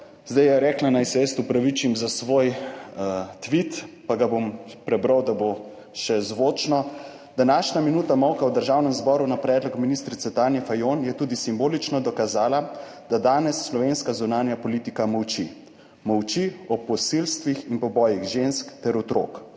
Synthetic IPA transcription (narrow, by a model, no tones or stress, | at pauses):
zd̪ajɛɾɛːklanajsɛest̪upɾaʋit͡ʃimzasʋoj | t̪ʋit̪paɡabompɾɛbɾəwd̪abo | ʃɛzʋoːt͡ʃnɔ | d̪̥anaʃnaminuːt̪amɔwkawd̪əɾʒawnɛmzbɔːɾunapɾɛːd̪lɔkminist̪ɾit̪sɛt̪aːnjɛfajonjɛt̪uːd̪isimboːlit͡ʃnɔd̪ɔkazaːla | d̪̥ad̪aːnɛsːlɔʋenskazunaːnjapɔliːt̪ikamɔwt͡ʃi | mɔwt͡ʃiɔpɔsilst̪ʋixinpɔbɔːjiɣʒenskt̪ɛɾɔt̪ɾo̰ːk